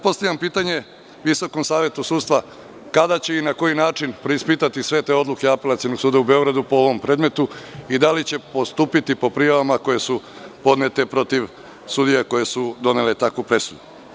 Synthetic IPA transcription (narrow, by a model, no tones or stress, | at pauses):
po̞st̪aʋjʲampiːt̪aɲe̞ | ʋiso̞ko̞msaːʋje̞t̪usuːd̪st̪ʋa | kad̪at͡ɕe̞inako̞jinaːt͡ʃinpɾeispiːt̪at̪isʋe̞t̪e̞ːo̞d̪lˠuke̞ape̞lat̪sio̞no̞ɡ̥suːd̪aube̞o̞ɡɾad̪upo̞o̞ʋo̞mpɾe̞ːd̪me̞t̪uid̪alit͡ɕe̞po̞st̪uːpit̪ipo̞pɾijaʋamako̞jesupo̞d̪ne̞t̪e̞pɾo̞t̪iʋ | sud̪ijako̞je̞sud̪o̞ne̞le̞t̪akʋupɾe̞sud̪u